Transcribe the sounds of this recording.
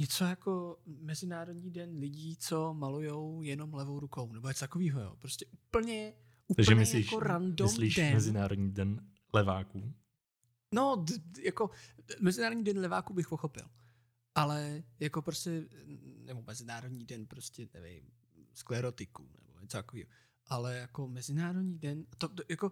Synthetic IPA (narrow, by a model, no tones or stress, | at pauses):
ɲɛt͡so̞jako̞mɛzɪnaːɾodɲiːdɛnlɪɟiːt͡so̞malujowjɛno̞mlɛvo̞wɾuko̞wnɛboɲɛt͡sot̪akoviːɦojo̰ːpɾoscɛʔupl̩ɲɛ | ʔut̪aɡʒɛmɪslaiʃkoɾandoɪsmliːʃdɛmɛzɪnaːɾodɲiːdɛn | lɛvaːku | nojako̞mɛzɪnaːɾodɲiːdɛnlɛva̰ːkubɪxpoxo̞pɪ̰l | ʔalɛjako̞pɾoscɛnɛbomɛzɪnaːɾodɲiːdɛnpɾoscɛnɛ̰vɪ̰jm | sklɛɾot̪ɪkṵnɛ̰bo̰ɲɛt͡sot̪akoviːɦo | ʔalɛjako̞mɛzɪnaːɾodɲiːdɛnat̪otjako̞